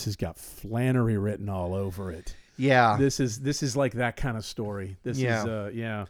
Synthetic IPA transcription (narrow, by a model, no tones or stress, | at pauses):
sɨzɡɑ̰tflæ̃ɾ̃ə˞iɹɪʔn̩ɔlˠoʊvə˞ɪt̚jæðɪsɨzðɪsɨzlaɪk̚ðɨt̚kʰãɪ̃ndə̥stɔɹiðɪszʌjæ